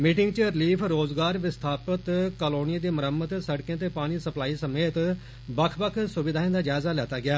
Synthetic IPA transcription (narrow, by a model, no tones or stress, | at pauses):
miːʈɪŋɡt͡ʃəɾɪliːpʰɾoːzɡaːɾʋɪst̪ʰaːpət̪kəloːnijaːd̪eːməɾəmːət̪səɽkjãːt̪̬eːpaːɽ̃iːsəplaːiːsəmeːt̪ | bəkʰbəkʰsʊʋɪd̪ʱaːẽːd̪aːd͡ʒaːɪzaːlɛːt̪aːɡɪaː